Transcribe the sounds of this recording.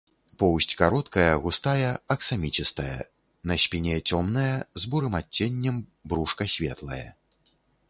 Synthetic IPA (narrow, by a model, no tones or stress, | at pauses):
pɔwsʲt͡sʲkaɾɔt̪kɐjɐɣust̪ajɐɐksamʲit͡ʃist̪ɐjɐ̰ | nɐsʲpʲinʲɛt͡sʲɔmnɐjɐzbuɾɨmat͡sʲːenʲːɐmbɾuʂkɐsʲvʲɛt̪lˠɐ̰jɐ̰